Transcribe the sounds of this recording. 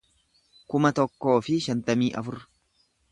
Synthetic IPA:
kʊmɐt̪ɔkːo̞ːfɪʃɐnt̪ɐmiːʔɐ̰fʊr

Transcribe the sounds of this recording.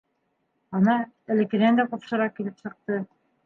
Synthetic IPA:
ɑnɑ | ɘ̆lɘ̆kɘ̆nænd̪æqupʃɤ̆ɾɑkilɘpsɤ̆q̚t̪ɤ

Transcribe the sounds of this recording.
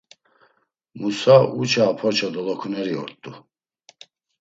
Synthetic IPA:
musaut͡ʃʰaːpʰɔt͡ʃʰɔd̪ɔlɔkʰunɛɾiɔ̰ɾt̪ʼːu

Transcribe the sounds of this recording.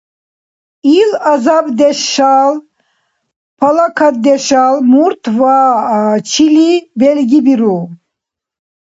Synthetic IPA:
ilazabd̪ɛʃal | pʰalakʰad̪ɛʃalmuɾt̪ʰva | t͡ʃʰilibɛlɡibiɾu

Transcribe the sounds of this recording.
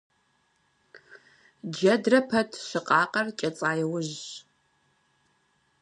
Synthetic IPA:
d͡ʒɐdrɐpʰɐtʰʃɨqʼɑːqʼɐrt͡ʃʼɐt͡sʼaːjɛwʊʑ

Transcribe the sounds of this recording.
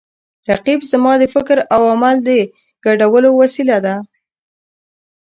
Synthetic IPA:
ɾaqibzmɑd̪əfɪkɾawamald̪ə | ɡ̥aɖawəlowasilad̪a

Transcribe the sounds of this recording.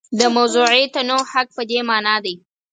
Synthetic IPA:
d̪əmawzuʕet̪anohak̚pəd̪emɑnɑd̪aj

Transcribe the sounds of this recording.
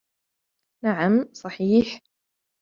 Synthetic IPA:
naʕamsˤɑħiːħ

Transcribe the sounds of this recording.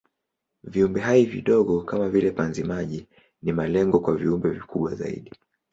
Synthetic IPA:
viumbɛɦaivḭɗɔɠɔkamavilɛpanzimaʄi | nimalɛŋɡɔkwaviumbɛvikʰuɓwaza̰ḭɗi

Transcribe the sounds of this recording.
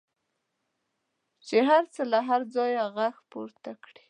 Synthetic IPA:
t͡ʃeɦaɾt͡səlaɦaɾd͡zɑjaɣaxpoɾt̪akɽi̥

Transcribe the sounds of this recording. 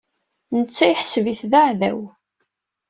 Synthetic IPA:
nət͡sːæjħsviθðaʕðæ̰w

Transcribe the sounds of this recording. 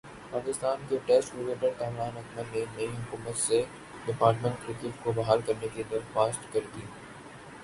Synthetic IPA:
paːkɪst̪aːnkʰeʈeːsʈɾɪkeːʈəɾʔɐmɾaːnɐkməlnẽnɐiɦʊkuːmət̪se | ɖɪpaːɾʈmə̃ɳʈkɾɪkɪʈkʰobɐɦaːlkɐɾnekid̪ɐɾxaːsʈkɐɾid̪i

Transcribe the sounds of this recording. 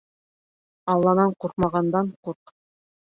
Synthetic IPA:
ɑlˠːɑnɑɴquɾqmɑʁɑnd̪ɑɴquɾq

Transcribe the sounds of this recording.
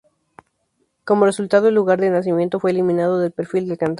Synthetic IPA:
ko̞mo̞re̞sult̪aðo̞elːuɣaɾðenas̬imje̞nt̪ofwe̞ːlimĩnað̞o̞ðe̞lpe̞ɾfild̪elkant̪

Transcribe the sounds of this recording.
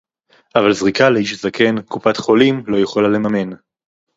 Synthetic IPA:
ʔavalzʁikaleiʃzakʰe̞nkupat̪χo̞limlo̞jeχolale̞mame̞n

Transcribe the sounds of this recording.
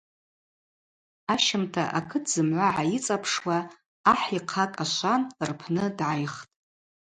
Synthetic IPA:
aʃɪmtʰa̰ʔakʰɨtʰzɨmʕʷaʕajit͡sʼapʰʂwaː | ħiqʰakʼaʃʷanrpʰnɨdʕajχtʼ

